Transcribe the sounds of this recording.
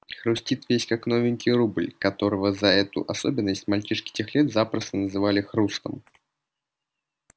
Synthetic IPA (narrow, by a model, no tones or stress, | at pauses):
xrusʲtʲit̪vʲesʲkaknovʲɪnʲkʲirublʲkɐt̪o̞ɾəvəzɐɛt̪ʊ̰ʔɐsobʲɪnːəsʲtʲmalʲt͡ʃiʂkʲɪ̥tʲexlʲɛt̪zapɾəst̪ənəzɨvalʲɪxrust̪ə̰m